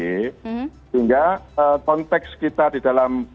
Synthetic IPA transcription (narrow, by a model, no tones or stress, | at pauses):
e | iŋɡaəkɔnt̪ɛkskit̪ad̪̥id̥alam